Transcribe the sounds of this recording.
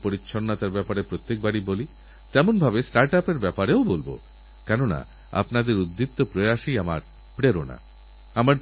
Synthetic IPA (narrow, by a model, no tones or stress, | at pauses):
poɾitːʃʰoɾnat̪aɾbɛpaɾepɾot̪ːek̚baɽiboli | t̪ɛmonbʱabesʈaɾʈapeɾbɛpaɾeobolbo̰ | kɛnona̰ | a̰pnad̪eɾud̪ːip̚t̪ːopɾoeaʃiama̰ɾ | pɾeɾona̰ | amaɾ